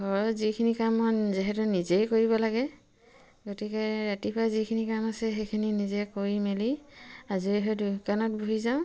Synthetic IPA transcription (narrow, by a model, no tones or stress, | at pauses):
ɡʱɔɹɔzikʰinikamɔnziɦɛtunizejkoɹiβɔlaɡɛ | ɡotikɛɹatipʰazikʰinikamasɛxekʰininizɛkoɹimeliaziɛɦɔdukanɔt̚buɦizaʊ̃